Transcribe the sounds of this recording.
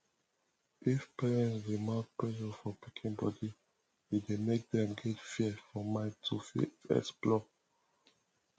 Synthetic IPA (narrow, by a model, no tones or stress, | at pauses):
ifpɛɹɛ̃ntsɹimak̚pɹɛʃɔfɔpikʰĩnbɔdi | jidemek̚dɛ̃mɡɛtfiɛfɔmaɪtʰufḭɛ̰splɔ